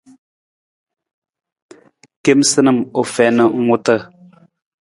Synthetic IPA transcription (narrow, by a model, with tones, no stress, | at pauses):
ke˦msɨ˦nə˦˨mo˨fɛ˨nə˨ŋ̩˦o˦tə˦˨